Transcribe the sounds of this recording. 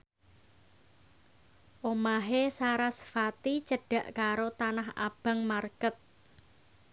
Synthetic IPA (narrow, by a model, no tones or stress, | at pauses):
ʔomaɦesaɾasə̥fat̪it͡ʃəɖ̥a̤ʔkaɾot̪anaɦa̰b̥a̤ŋmarkət̪̚